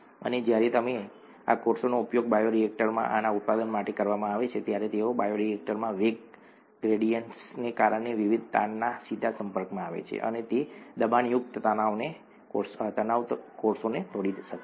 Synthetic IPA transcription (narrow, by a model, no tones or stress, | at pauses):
ə̰ned͡ʒjaɾet̪əme | a̰koɾsonoupjoɡ̚bajoɾiek̚ʈəɾmã̰ʔanaut̪̚pad̪ənmaʈekəɾʋamãaʋet͡ʃʰet̪jaɾet̪eobajoɾiek̚ʈəɾmãʋeɡ̚ | ɡɾeɽijəɳʈsnekaɾəɳeʋiʋid̪̚ʱt̪anːasid̪ʱasəmpəɾkmãaʋḛt͡ʃʰḛʔə̰net̪ed̪əbanjʊk̚t̪ət̪ənaone | koɾst̪ənaʋ̪koɾsonet̪ʰoɽid̪ʃək